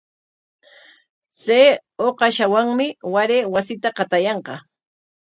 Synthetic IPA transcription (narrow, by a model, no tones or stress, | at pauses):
t͡seːoqɑʃawaŋmɪwaɾewasɪt̪aqɑt̪ajɑɴqɑ